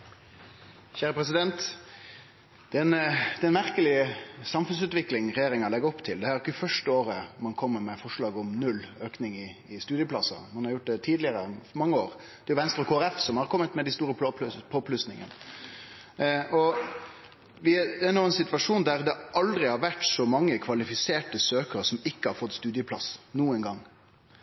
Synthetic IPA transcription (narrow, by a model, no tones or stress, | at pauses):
çæːɾəpɾɛs̬ɪd̪ɛnt̪ | d̪ɛnd̪ɛnmæɾkəlɪəsɑmfʉns̬ʉːt̪ʋɪklɪŋʁɛjeːɾɪŋɑlɛɡəɔpt̪ʰɪld̪ɛhæːɾɪkːəfœʂʈəoːɾəmɑnkʰɔmːəɾmɛfɔʂɭɑːɡɔmnʉlːøːknɪŋɪɪst̪ʉːd̪ɪjəplɑsːɑ̰mɑnhɑɾjʊʈ̚d̪ɛt̪ʰiːd̪lɪəɾənmɑŋːəoːɾ | d̪ɛɾjʊʋɛnst̪ɾəkʰoːæɾɛfsɔmhɑɾkʰɔmːət̪mɛd̪ɪst̪uːɾəpʰoːpʰlʉsnɪŋə̰nə | ɔ | ʋɪd̪ɛnoːɛnsɪt̪ʋɑʂuːnd̪æʁd̪ɛʔɑld̪ɾɪhɑɾʋæʈsɔmɑŋːəkʰʋɑlɪfɪseːʈəsøːkəɾəsɔmɪkːəhɑɾfɔt̪ːst̪ʉːd̪ɪjəpʰlɑ̰snuːənɡɑŋː